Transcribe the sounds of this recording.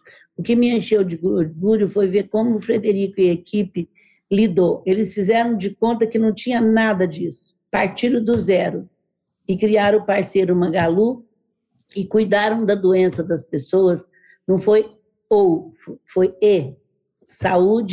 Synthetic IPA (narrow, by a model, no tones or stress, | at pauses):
ʊkɪmɪɐ̃ʃewd͡ʒɪɡd͡ʒɡuɾʊfojveɾkõmʊːfɾed̪eɾikʊɪekipɪ | lid̪oelɪsfizɛɾɐ̃w̃d͡ʒɪkõnt̪ɐkɪnɐ̃w̃t͡ʃĩɲɐnad̪ɐd͡ʒisʊ̥paɾt͡ʃiɾʊd̪ʊzɛɾʊ | ɪkɾiaɾɐ̃paɾsejɾʊmɐɡalu | ɪkujd̪aɾɐ̃w̃d̪ɐd̪oẽsɐd̪ɐspesoɐs | nɐ̃w̃foj | owfoje | saud͡ʒɪ